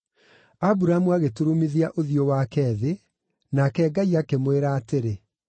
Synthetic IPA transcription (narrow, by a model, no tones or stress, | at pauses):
abuɾamuaɣetuɾumiðiaʔoðiowakɛːðe | nakɛːɡaiakemweɾaːteɾe